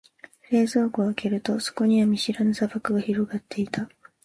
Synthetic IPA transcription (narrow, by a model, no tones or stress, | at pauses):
ɾe̞ːzo̞ːɡoːke̞ɾɯ̟t̪o̞so̞̥ko̞ɲ̟iβamʲiɕiɾanosabakɯ̟ɡaçiɾo̞ɡat̪ːe̞it̪a